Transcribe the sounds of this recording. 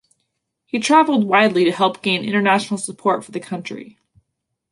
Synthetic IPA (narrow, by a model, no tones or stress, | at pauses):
hitʰɹ̥ævl̩ˠd̚waɪdˡliɾɨhɛlˠp̚ɡ̥ẽɪ̃nʔɪ̰̃ɾ̃ə˞næʃn̩l̩ˠsəpʰɔɹtfə˞ðɨkʰʌ̃nt͡ʃɹ̥ḭ